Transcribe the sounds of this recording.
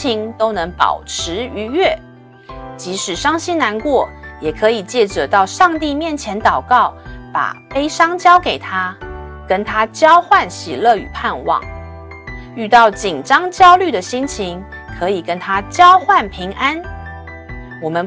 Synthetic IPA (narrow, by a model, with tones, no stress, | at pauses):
i˧˥ŋt̪o˥ʊnɤ˧˥ŋpɑ̰˨˩ʊʈ͡ʂʰɻ̩˧˥y˧˥ɥɛ˥˩ | t͡ɕi˧˥ʂɻ̩˨˩ʂɑ˥ŋɕi˥nna˧˥nkwɔ˥˩jɛ˨˩kʰɤ˧˥i˨˩t͡ɕjɛ˥˩ʈ͡ʂɤ˨˩t̪ɑ˥˧ʊʂɑ˥˧ŋt̪i˥˧mjɛ˥˩nt͡ɕʰjɛ˧˥nt̪ɑ˨˩ʊkɑ˥˩ʊpa̰˨˩pe˥ɪʂɑ˥ŋt͡ɕjɑ˥ʊke˨˩ɪt̪ʰa˥kə˥nt̪ʰa˥t͡ɕjɑ˥ʊxwa˥˩nɕḭ˨˩lɤ˥˩y̰˨˩pʰa˥˧nwɑ̰˥˩ŋ | y˥˧t̪ɑ˥˩ʊt͡ɕi˨˩nʈ͡ʂɑ˥ŋt͡ɕjɑ˥ʊly˥˩d̪ə˩ɕi˥nt͡ɕʰi˧˥ŋ | kʰɤ˧˥i˨˩kə˥nt̪ʰa˥t͡ɕjɑ˥ʊxwa˥˩npʰi˧˥ŋʔa˥n | wɔ˨˩mə˦n